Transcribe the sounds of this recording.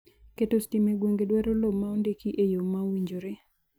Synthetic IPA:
ketostimeɡwoŋɡedwɛɾolobmaondekiʔejomawiɲd͡ʒoɾe

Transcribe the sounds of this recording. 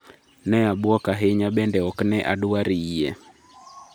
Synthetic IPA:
nɛaɓɔkaɦɛɲaɓɛndɛɔknɛʔa̰ɗuaɾiiɛ

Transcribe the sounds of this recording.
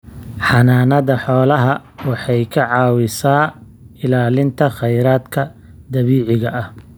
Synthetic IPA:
ħɑnaːnɐðɐħɔːlɐɦɐwɑħɑjkʰɐʕɑːwɪsaː | ɪlaːlɪnt̪ʰɐχɛjɾaːd̪kʰɐ | d̪ɐβiːʕɪɣɐʔɐh

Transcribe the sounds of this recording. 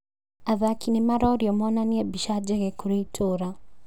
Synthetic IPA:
aðakʰinemaɾɔɾiɔmɔnaniɛbiʃad͡ʒɛɣɛkoɾeitʰoːɾa

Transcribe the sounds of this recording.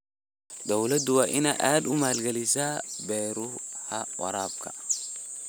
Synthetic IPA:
d̪ɔwlɐd̪ʊwaːʔɪnɐʔaːd̪ʊmaːlɡɐlɪsaːbɛːɾʊhɐ̰wɐ̰ɾaːb̚kʰɐ

